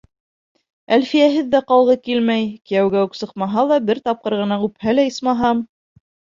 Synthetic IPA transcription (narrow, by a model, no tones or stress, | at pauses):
ælfijæɦɘðːæqɑlˠʁɤkilmæjkɘ̆jæwɡæʉksɤ̆qmɑɦɑlˠɑbɘɾt̪ɑp̚qɤɾʁɤ̆nɑqʉphælæɤsmɑɦɑm